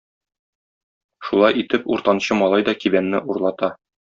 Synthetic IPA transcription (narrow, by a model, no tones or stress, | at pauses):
ʃulˠɑjit̪ɘpṵɾt̪ɑnɕɤmɒlˠɑjd̪ɒkibænːɘʔuɾlˠɑt̪ɑ